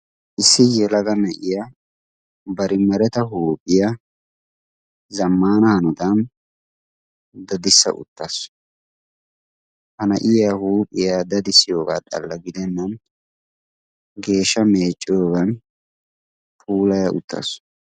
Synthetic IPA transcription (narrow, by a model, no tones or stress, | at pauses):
ʔɪsːɪjɛlɐɡɐnɐʔɪja | bɐɾɪmɐɾɛt̪ɐɦuːpʼːɪja | zɐmːaːnɐhɐnʊd̪ɐn | d̪ɐd̪ɪsːɐ̰ʔʊ̰t̪ʼːɐs | hɐnɐʔɪjahuːpʼːɪjaːd̪ɐd̪ɪsɪjo̞ːɡa̰ːt̪ʼɐ̰lːɐɡɪd̪ɛnːɐn | ɡe̞ːʃːɐme̞ːt͡ʃʼːɪjoːɡɐn | pʰʼuːlɐjɐʔʊ̰t̪ʼːɐ̰s